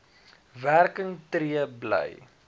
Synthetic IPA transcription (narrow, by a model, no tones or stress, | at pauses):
værkəŋtɾiəblə̰j